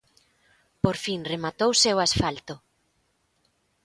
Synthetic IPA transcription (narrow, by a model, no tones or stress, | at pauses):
poɾfinremat̪owsewasfalt̪ʊ